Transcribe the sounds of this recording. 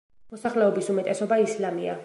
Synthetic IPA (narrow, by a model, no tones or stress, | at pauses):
mɔsaχlɛɔbisumɛt̪ʼɛsɔbaislamia̰